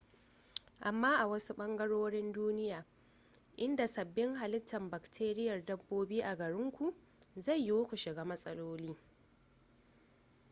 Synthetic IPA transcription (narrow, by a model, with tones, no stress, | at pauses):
ʔa˨mːaː˦ʔa˨wɐ˦su˦ɓɐ˦ŋɡɐ˦ɽoː˦ɽɪ˦nduː˦nɪ˦jaː˨ | ʔɪ˦nda˨sɐ˨bːɪ˦ŋɦa˨lɪ˦tːɐ˨mba˨ktʰeː˦ɾɪ˦jɐ˨rdɐ˦bːoː˦biː˦ʔa˨ɡɐ˨ɽɪ˦ŋkʷu˨ʔ | za˦˨jːi˦wkʷu˨ʃɪ˨ɡaː˦mɐ˦sʼɐ˦loː˦liː˦